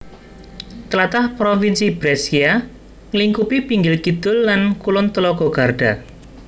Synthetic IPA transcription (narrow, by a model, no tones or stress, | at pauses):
t̪əlat̪ahpɾofinsibɾɛsia | ŋəliŋkupipiŋɡɪlkid̪̥ʊlːankulʊnt̪əlɔɡ̥ɔɡ̥a̤rɖ̥a